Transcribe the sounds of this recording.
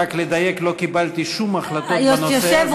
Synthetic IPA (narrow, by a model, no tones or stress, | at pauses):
akled̪ajeklo̞kibalt̪iʃumaχlat̪ot̪nosseev